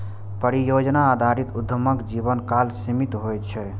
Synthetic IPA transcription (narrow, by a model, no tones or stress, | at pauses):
pəɾijod͡ʒnaːd̪ʱaɾit̪ud̪ʱəməkd͡ʒiβənkalsimit̪ɦojt͡ʃʰɛ